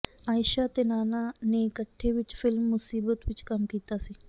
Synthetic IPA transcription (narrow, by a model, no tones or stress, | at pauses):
aːɪʃaːt̪eːnaːnaːneɪkəʈʰːeːʋɪt͡ʃpʰɪlmːʊsiːbət̪ʋɪt͡ʃkəmkiːt̪aːsiː